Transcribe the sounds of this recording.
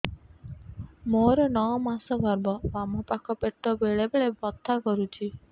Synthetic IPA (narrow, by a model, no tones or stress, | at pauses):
moɾɔnɔɔmasɔbʱɔɾbɔbamɔpakʰɔpeʈːɔbeɭebeɭebɔt̪ʰːakɔɾut͡ʃʰi